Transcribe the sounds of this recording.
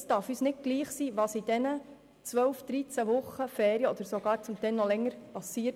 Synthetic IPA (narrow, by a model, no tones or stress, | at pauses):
stɑɾfyːsnɪt̚ɡ̥liːχsiːʋɑsid̥ɛnə | t͡sʋœlfd̥̪ɾit͡sæʋʊχːəfɛːɾiəɔd̪əɾsoɡ̥ɑːɾt͡sʊmt̪ɛnːɔlɛŋːəɾpɑsiːt